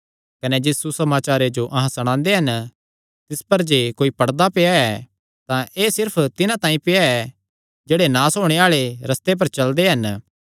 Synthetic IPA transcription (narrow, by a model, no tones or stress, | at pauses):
kɐnɛd͡ʒɪsusɐmaːt͡ʃaːɾed͡ʒoʔɐɦãsɐɽ̃ãːnd̪eɦɐn | t̪ɪspɐɾd͡ʒeːkoːipɐɽd̪apejaɛ | t̪ãʔeːsɪɾpʰt̪ɪnãt̪ãːĩpeaɛ | d͡ʒeːɽenãːsɦoːɽ̃eaːɭeɾɐst̪ep̬ɐɾt͡ʃɐld̪eɦɐn